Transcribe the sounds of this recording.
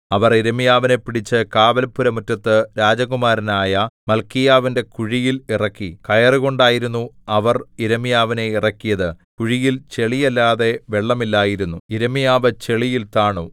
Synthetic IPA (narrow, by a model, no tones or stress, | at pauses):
ɐʋɐriɾɐmijaːʋine̞pːiɽit͡ɕːɨkaːʋɐlpːuɾɐmutːɐt̪ːɨɾaːd͡ʑɐɣumaːɾinaːjɐmɐlkijaːʋinde̞kuɻijilirɐkːikɐjɐrɨɣo̞ɳɖaːjiɾunːuɐʋɐriɾɐmijaːʋine̞irɐkːijɐðɨkuɻijilt͡ɕe̞ɭijɐlːaːðe̞ʋe̞ɭːɐmilːaːjiɾunːuiɾɐmijaːʋɨt͡ɕe̞ɭijilt̪aːɳu